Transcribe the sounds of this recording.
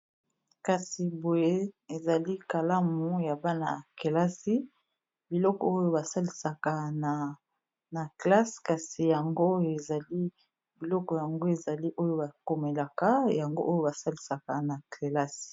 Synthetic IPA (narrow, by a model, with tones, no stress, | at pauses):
ka˨si˨bo˨je˦e˨za˨li˦ka˨la˦mu˨˦ja˨ba˦na̰˨ke˨la˦si˦ | bi˨lɔ˦kɔ̰˨o˦jo˦ba˨sa˦li˨sa˨ka˨na˨ | na˨kla˦ska˨si˨ja˨ŋɡo˦je˨za˨li˦ | bi˨lɔ˦kɔ˨ja˨ŋɡo˦e˨za˨li˦ʔo˦jo˦ba˨ko˨me˨la˨ka˦ja˨ŋɡo˦ʔo˦jo˦ba˨sa˦li˨sa˨ka˨na˨kʰe˨la˦si̥˨